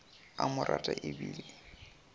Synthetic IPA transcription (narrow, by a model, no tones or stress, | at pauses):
amʊɾʔatʼaʔɪbiːli